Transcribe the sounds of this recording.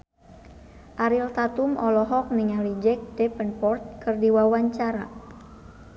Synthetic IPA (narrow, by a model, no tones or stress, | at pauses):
ʔaɾilt̪at̪umɔlɔɦɔk̚niŋalid͡ʒɛk̚dɛpənpɔrt̪̚kərdiwawaɲt͡ʃaɾa̰